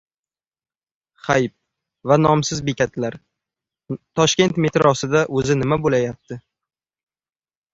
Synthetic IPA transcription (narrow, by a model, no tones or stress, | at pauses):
χajp̚ | vanɒmsɪzbekʲʰat̪laɾ | t̪ʰɒʃkʲe̞nt̪me̞t̪ɾɒsɪd̪aʔɵzɪnɪmabolajap̚t̪ʰɪ